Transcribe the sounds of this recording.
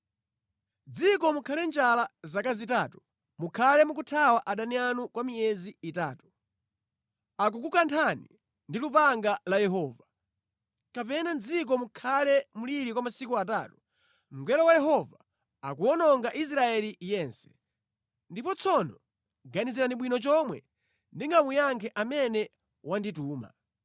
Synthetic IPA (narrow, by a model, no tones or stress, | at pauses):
d͡zikɔmukʰalɛnd͡ʒalazakazitaːtu | mukʰalɛmuk̬utʰawaʔaɗanianukwamijɛziːtaːtu̥ | ak̬uk̬ukantʰanḭ | ndilupaŋɡalajɛɦɔːva | kapɛnand͡zik̬ɔmukʰalɛmuliɾikwamasikuataːtu | m̩ɡɛlɔwajɛɦɔva | akuɔnɔŋɡaʔis̬ɾaɛlijɛːnsɛ̥ | ndipɔt͡sʰɔnɔ | ɡaniziɾaniɓwinɔt͡ʃɔmwɛ̰ | ndiŋɡamujaŋkʰɛʔamɛnɛ | wandituːma̰